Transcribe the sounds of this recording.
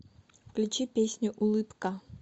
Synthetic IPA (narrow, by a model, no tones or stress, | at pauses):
klʲut͡ɕipʲesʲnʲʊʔʊlˠɨpkɐ